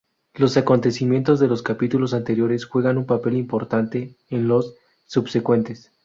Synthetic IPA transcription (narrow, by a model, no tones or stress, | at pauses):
lo̞sako̞nt̪e̞simje̞nt̪o̞zðe̞lo̞skapit̪ulo̞s̬ant̪e̞ɾjo̞ɾe̞sxwe̞ɣanumpape̞limpo̞ɾt̪ant̪e̞ː | nlo̞sː | ubse̞kwe̞nt̪e̞s